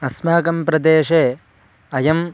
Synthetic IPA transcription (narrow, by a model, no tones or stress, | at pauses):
ɐsmaːkɐmpɾɐd̪eːʃeː | ɐjɐm